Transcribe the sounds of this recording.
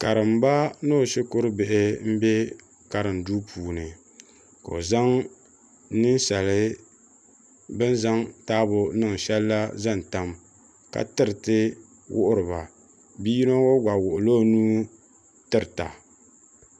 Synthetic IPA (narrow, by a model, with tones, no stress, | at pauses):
ka˨ɾɨ˨mba˦no˦˨ʃɪ˦kʊ˦ɾɨ˦bɪ˨ʔɪ˨˦m̩˦bɛ˦ | ka˨ɾɨ˨mduː˦pʰuː˨nɨ˨ | ko̰˨za˦ŋ | nɨ˦nʃa˨lɨ˦ | bɨ˦nza˦ŋtaː˦bʊ˨nɨ˦˨ŋ˨ʃɛ˦lːa˦za˦˨n˨ta˨m | ka̰˨tɨ˦ɾɨ˨tɨ˦ | wʔʊ˦ʔʊ˦ɾɨ˨ba˨ | bi˦no˦wo˦ɡʷa˨wʊ˨ʔʊ˨lo˦nuː˦ | tɨ˦ɾɨ˨ta̰˨